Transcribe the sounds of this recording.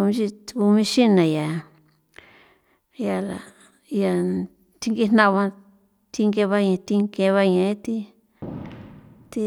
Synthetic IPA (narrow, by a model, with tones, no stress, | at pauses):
mĩ˧˦ʃi˧tku˧mĩ˧ʃi˦nã˨ja˨ | ja˧la˨ | ja˧˨ | t̪i˧˦ŋɡi˧nã˦˧βã˧ | t̪i˧ŋɡe˧βa˧ɲã˧t̪i˧ŋke˧βa˦˧ɲã˧˨ẽ˦t̪i˦ | t̪i˧